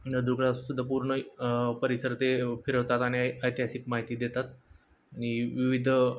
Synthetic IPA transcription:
nəd̪uɡɭasud̪ʱːapuɾɳəpəɾisəɾt̪efiɾəʋt̪at̪aɽ̃iəjt̪iɦasikmaɦit̪iːd̪et̪at̪ | añiʋiʋid̪ʱ

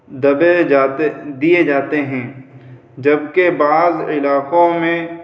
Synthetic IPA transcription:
d̪ɐbed͡ʒaːt̪ed̪ijed͡ʒaːt̪eɦɛ̃ː | d͡ʒɐbkebaːzɪlaːkõmẽ

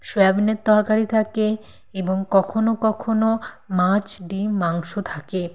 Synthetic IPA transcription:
ʃoɛbnet̪ːɔɾkaɾit̪ʰake | eboŋkɔkʰonokɔkʰono | mãt͡ɕɖimaŋʃot̪ʰake

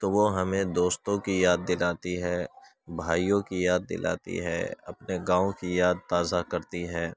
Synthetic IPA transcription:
t̪oːʋoɦɐmẽd̪oːst̪õkijaːd̪̚ːɪlaːt̪iɦɛː | bʱaːijõkijaːd̪̚ːɪ̰lʔa̰ːt̪ḭɦɛ̰ːɐ̰pneɡãːõkijaːd̪̚t̪aːzakɐɾt̪iɦɛː

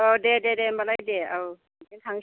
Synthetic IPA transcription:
ɔdededembalajdeaw | keŋtʰaŋ

